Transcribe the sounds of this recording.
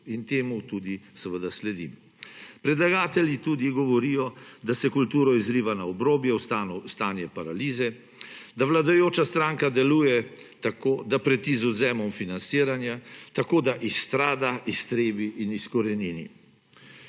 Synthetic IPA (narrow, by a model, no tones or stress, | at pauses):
int̪eːmut̪ud̪isɛʋəd̪aslɛd̪ḭm | pɾɛd̪laɡaːt̪ɛljit̪uːd̪iɡɔʋɔɾijɔd̪asɛkult̪uːɾɔizɾiːʋanaɔbɾoːbjɛwanɔst̪aːnjɛpaɾaliːzɛ | d̪aʋlad̪ajoːt͡ʃast̪ɾaːŋkad̪ɛluːjɛ | t̪akoːd̪apɾɛt̪izɔzɛːmɔmfinansiːɾanjat̪akoːd̪aʔist̪ɾaːd̪aist̪ɾeːbiʔiniskɔɾɛniːnḭ